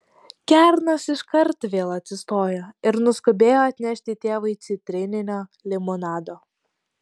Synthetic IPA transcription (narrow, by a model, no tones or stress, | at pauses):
kʲæɾnɐsɪʃkɐɾt̪ʋʲeːlˠɐt̪ʲsʲɪst̪oːjoːɪɾnʊskobʲeːjoːɐt̪ʲnʲɛʃʲt̪ʲɪt̪ʲeːʋɐɪt̪sʲɪt̪ʲɾʲɪnʲɪnʲoːlʲɪmonɑːd̪oː